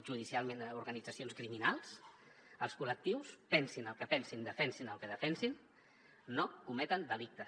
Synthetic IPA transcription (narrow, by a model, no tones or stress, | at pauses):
ʒuð̞isialˠmenəuɾɣənid͡zəsionskɾiminalˠs | əlˠskulək̚t̪iwspɛnsinəlˠkəpɛnsind̪əfɛnsinəlˠkəðəfɛnsinː | okumɛt̪ənd̪əlik̚t̪ə